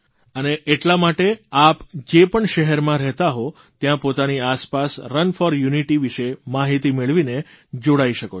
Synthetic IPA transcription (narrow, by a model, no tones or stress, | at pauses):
əneʔeʈlamaʈeapd͡ʒepəɳʃəɦɛɾmãɾɛɦt̪aɦo | t̪jãpot̪aniaspasɾənfɔɾjuniʈiʋiʃemaɦit̪imeɭʋine | d͡ʒoɽaiʃəko